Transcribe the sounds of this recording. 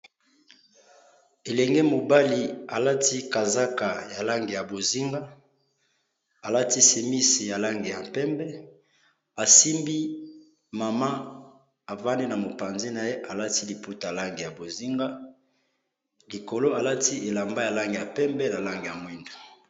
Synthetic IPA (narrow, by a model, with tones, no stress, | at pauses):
e˨lɛ˨ŋɡe˦mo˨ba˦li˨a˨la˦ti˦ka˨za˦ka˨ja˨la˦ŋɡe˨ja˨bo˨zi˦ŋɡa˦ | a˨la˦ti˦se˦mi˦si˨ja˨la˦ŋɡe˨ja˨pɛ˦mbɛ˦ | a˨si˦mbi˦ | ma˨ma˦ | a˨va˦ndi˦na˨mo˨pa˨nzi˦na˨je˦ʔa˨la˦ti˦li˨pu˦ta˨a˨la˦ŋɡe˨ja˨bo˨zi˦ŋɡa˦ | li˨ko˨lo˦a˨la˦ti˦ʔe˨la˨mba˦ja˨la˦ŋɡe˨ja˨pɛ˦mbɛ˦na˨la˦ŋɡe˨ja˨mwi˦ndo̥˨